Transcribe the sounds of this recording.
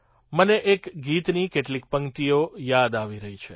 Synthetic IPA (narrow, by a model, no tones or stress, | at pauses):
məneʔekɡit̪nikeʈlik̚pəŋkt̪iojad̪aʋiɾəɦit͡ʃʰe